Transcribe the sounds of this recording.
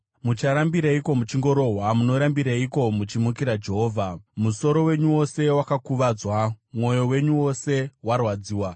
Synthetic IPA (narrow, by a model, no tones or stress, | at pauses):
mut͡ʃaɾambiɾaiko̞mut͡ʃiŋɡo̞ɾo̞ɦwamuno̞ɾambiɾaiko̞mut͡ʃimukiɾad͡ʒe̞ɦoːvʱamuso̞ɾo̞we̞ɲuwo̞se̞wakakuʋad͡zwamwo̞jo̞we̞ɲuwo̞se̞warwad͡ziːwa